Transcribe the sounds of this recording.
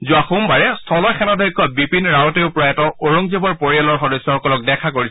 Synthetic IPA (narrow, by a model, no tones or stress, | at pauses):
zuaxumbaɹɛstʰɔlɔjkʰɛnɔdʱɔjkːɔbipinɹaɔteʊpɔɹaɛtɔoɹɔŋzebɔɹpoɹijalɔɹxɔdɔsːɔxɔkɔlɔk̚dɛkʰakoɹis